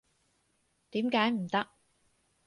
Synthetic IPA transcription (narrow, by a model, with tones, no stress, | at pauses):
t̪iː˨˥mkaː˨˥jm̩˨˩t̪ɐ˥k̚